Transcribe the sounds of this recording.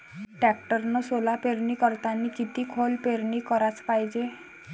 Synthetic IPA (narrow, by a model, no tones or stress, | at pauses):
ʈɛkʈəɾnosolapeɾnikəɾt̪anikit̪ikʰolpeɾnikəɾat͡spajd͡ʒe